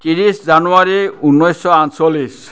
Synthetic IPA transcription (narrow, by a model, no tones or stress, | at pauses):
tiɹiszanuaɹiunːɔjsɔansolːis